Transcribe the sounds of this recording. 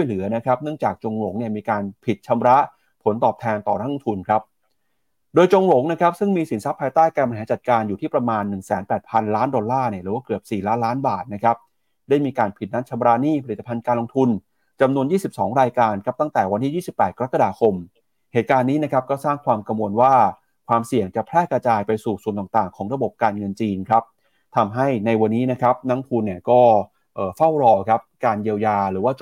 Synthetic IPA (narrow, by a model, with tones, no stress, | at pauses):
t͡ɕʰu˥˩jlɯ˩˦na˦˥kʰɾa˦˥p̚nɯ˥˩əŋt͡ɕaː˨˩k̚t͡ɕo˧ŋɾo˩˦ŋni˥˩əmiː˧kaː˧npʰi˨˩t̪̚t͡ɕʰa˧mɾa˦˥ʔ | pʰo˩˦nt̪ɔː˨˩p̚t̪ʰɛː˧nt̪ɔː˨˩na˦˥k̚lo˧ŋt̪ʰu˧nkʰɾa˦˥p̚ | doː˧jt͡ɕo˧ŋɾo˨˩˦ŋna˦˥kʰɾa˦˥p̚sɯ˥˩ŋmiː˧si˩˦nsa˦˥pʰːaː˧jt̪aː˥˩jkaː˧nma˧nɦaː˩˦t͡ɕa˨˩t̪̚kaː˧njuː˨˩iː˥˩pɾa˧maː˧nːɯ˨˩ŋsɛː˩˦npɛː˨˩t̪̚pʰa˧nlaː˦˥ndɔ˧nlaː˥˩ni˥˩ɾɯː˩˦waː˥˩kɯ˨˩əp̚siː˨˩laː˦˥nlaː˦˥nbaː˨˩t̪̚na˦˥kʰɾa˦˥p̚ | daː˥˩jmiː˧kaː˧npʰi˨˩t̪̚na˦˥t̚t͡ɕʰa˧mɾa˦˥niː˥˩pʰa˧li˨˩t̪ːa˧pʰa˧nkaː˧nlo˧ŋt̪ʰu˧n | t͡ɕa˧mnu˧ənjiː˥˩si˨˩p̚sɔː˩˦ŋɾaː˧jkaː˧nkʰa˦˥p̚t̪a˥˩ŋt̪ɛː˨˩wa˧nt̪ʰiː˥˩jiː˥˩si˨˩pːɛː˨˩t̪̚ka˧ɾa˦˥kːa˧daː˧kʰo˧m | heː˨˩t̪̚kaː˧nːiː˦˥na˦˥kʰa˦˥p̚kɔː˥˩saː˥˩ŋkʰwaː˧mkɾa˧mwo˧nwaː˥˩ | kʰwaː˧msi˨˩əŋt͡ɕa˨˩pʰlɛː˥˩kɾa˧t͡ɕaː˧jpa˧jsuː˨˩su˨˩ənt̪aː˨˩ŋt̪aː˨˩ŋkʰɔː˩˦ŋɾa˧bo˨˩p̚kaː˧nŋɤ˧nt͡ɕiː˧nkʰɾa˦˥p̚ | t̪ʰa˧mɦa˥˩jna˧jwa˧nːiː˦˥na˦˥kʰa˦˥p̚na˦˥ŋpʰuː˧nːi˥˩əkɔː˥˩ | ʔɤː˨˩fa˥˩wɾɔː˧kʰa˦˥p̚kaː˧njiː˧wjaː˧ɾɯː˩˦waː˥˩t͡ɕ